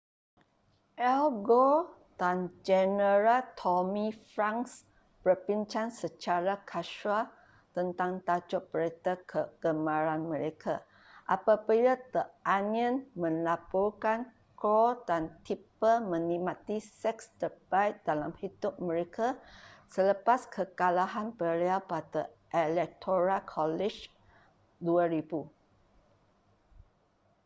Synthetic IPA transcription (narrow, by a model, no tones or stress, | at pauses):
ʔɛlɡo | d̥and͡ʒɛnəɾat̪ʰɔmĩfɾãŋs | pərpint͡ʃansət͡ʃaɾakʰaʃua | t̪ənt̪aŋt̪at͡ʃɔʔ̚pəɾet̪akʰəɡ̥əmãɾanmə̃ɾekʰa | ʔapapəjat̪əaniə̃nmə̃nlapɔrkan | kɾɔdant̪ipəmə̃nimat̪isɛkst̪əbait̪̚dalamhidʊp̚mə̃ɾekʰasələpaskʰəkalaɦanpəleapat̪əʔelɛk̚t̪ʰoɾakʰɔlɛd͡ʒ | duaɾibu